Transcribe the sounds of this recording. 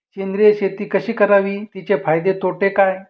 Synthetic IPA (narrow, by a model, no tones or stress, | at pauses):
kend̪ɾijəɕet̪iːkəɕiːkəɾaʋiːt̪it͡ɕefajd̪et̪oʈekaj